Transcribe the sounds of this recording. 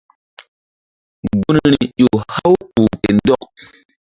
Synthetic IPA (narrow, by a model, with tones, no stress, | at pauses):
ɡu˦nɾi˨ʄo˨ha˦wpu˨pe˨ndɔ˦k̚